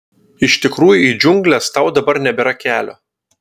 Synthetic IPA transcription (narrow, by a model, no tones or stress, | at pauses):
ɪʃt̪ʲɪkɾuːjʊiːd͡ʒʲʊŋʲɡlʲɛst̪ɐˑʊd̪ɐbɐɾnʲɛbʲɛɾɐkʲæːlʲoː